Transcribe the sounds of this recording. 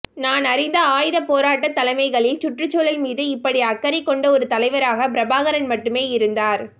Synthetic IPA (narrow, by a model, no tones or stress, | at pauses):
naːnɐɾɪnd̪ɐaːjɪðɐpoːɾaːʈːɐt̪ːɐlɐɪmɐɪɣɐɭɪlt͡ʃʊʈrɯt͡ʃːoːlɐlmiːðɯɪpːɐɽiɐkːɐɾɪkːɔɳɖɐɔɾɯt̪ɐlɐɪʋɐɾaːɣɐp̬ɪɾɐbaːɣɐɾɐnmɐʈːɯmeːɪɾɯnd̪aːɾ